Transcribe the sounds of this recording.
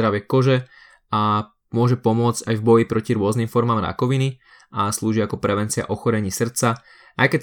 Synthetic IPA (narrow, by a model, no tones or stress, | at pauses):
ɾaʋɪɛkɔʒɛ | a | mʊɔʒɛpɔmʊɔd͡zɟajvbɔjipɾɔciɾʊɔznimfɔɾmaːmɾa̰kɔʋini | ʔasluːʒiakɔpɾɛʋɛnt͡sia̰ʔɔxɔɾɛɲiːsr̩t͡sa | ʔajkɛt̪